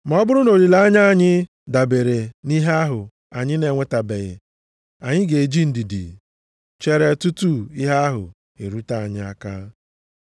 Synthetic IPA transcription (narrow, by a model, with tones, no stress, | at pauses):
m˨ɔ˦bʊ˦ɾʊ˦no˨ɾi˨la˦ɲa˦˨ɲɪ˦ | da˨be˨ɾe˨ni˦ɦe˦a˦ɦʊ˨ | a˨ɲɪ˦ne˨ŋʷe˨ta˨be˨ɣɪ̰˨ | a˨ɲɪ˦ɡe˨e˨d͡ʒi˦n̩˦di˨dḭ˨ | t͡ʃe˦ɾe˨tu˦tu˦i˦ɦa˦ɦʊ̰˨ | ḛ˨ɾu˦ta˦˨a˨ɲɪ˦a̰˦kaː˦